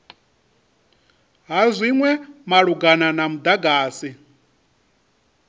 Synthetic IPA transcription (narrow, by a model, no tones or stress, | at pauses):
ɦazʷiŋwɛmaɺuɡananamud̪aɡaːsi